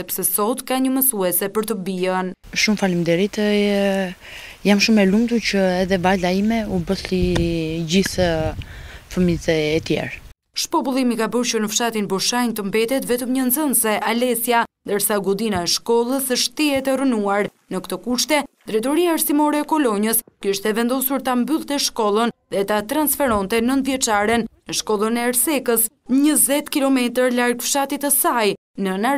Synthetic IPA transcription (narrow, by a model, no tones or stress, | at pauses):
ɛpsɛsɔt̪kaɲəməsuɛsɛpəɾt̪əbiən | ʃumfalimd̪ɛɾit̪ | jamʃumɛlumt̪ut͡ʃəɛðɛvalaimɛubəθlid͡ʑiθ | fəmizɛːt̪jɛ̰ɾ | ʃpɔpulˠimikabəɾʃəɾnəfʃat̪inbɔʃajnt̪əmbɛt̪ɛt̪vɛt̪əmɲənzənsɛʔalɛsjand̪əɾsaɡud̪inaɛʃkɔlˠəsəʃt̪iɛt̪ɛrənuaɾ | nəkt̪ɔkuʃt̪ɛ | d̪ɾɛt̪ɔɾiaːɾsimɔɾɛːkɔlɔɲəskiʃt̪ɛvɛnd̪ɔsuɾt̪ambylˠt̪ɛʃkɔlˠənðɛt̪at̪ɾansfɛɾɔnt̪ɛnənt̪vjɛt͡ʃaɾɛnnəʃkɔlˠənɛːɾsɛkəsɲəzɛt̪kilɔmɛt̪əɾlaɾɡfʃat̪it̪əsaj | nəna